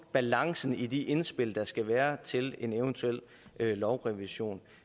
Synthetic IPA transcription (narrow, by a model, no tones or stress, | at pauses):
b̥ælɑ̈ŋsn̩id̥iʔe̝nsb̥e̝l̰d̥ɑ̈sɡ̥æʋæːɐt͡sʰe̝le̝neʊnt͡sʰuel̰ | ʔlɒʊʁɛʋiɕo̝̰ːn